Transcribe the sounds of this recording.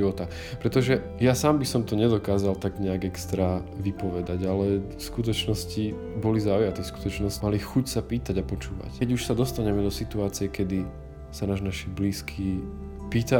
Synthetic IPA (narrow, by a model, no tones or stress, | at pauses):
iʋɔt̪a | pɾɛt̪ɔʒɛ | jasaːmbisɔmt̪ɔɲɛd̪ɔkaːzalt̪aɡɲɛaɡɛkst̪ɾaːʋipɔʋɛd̪aɟalɛfskut̪̬ɔt͡ʃnɔsci | bɔlizaujat̪ifsku̥t̪ɔt͡ʃnɔsmalixucsapiːt̪aɟapɔt͡ʃuːʋa̰cɛɟuʃsad̪ɔst̪aɲɛmɛd̪ɔsit̪uaːt͡sijɛkɛd̪i | sanaʒnaʃibliːskʰiː | piːt̪a